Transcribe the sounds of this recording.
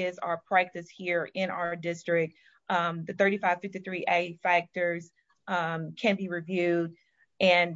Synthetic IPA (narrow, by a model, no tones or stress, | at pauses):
ɪzə̰ə˞pʰɹ̥æk̚tɨshiɹɪ̃ña̰ʊə˞dɪstɹ̥ɪk̚t̚ | ʔmðɨθɜ˞ɾifaɪv̥fɪftiθɹiʔeɪfæk̚tə˞z̥ | kʰɨ̃nbiɹivjʉd | ɨ̃n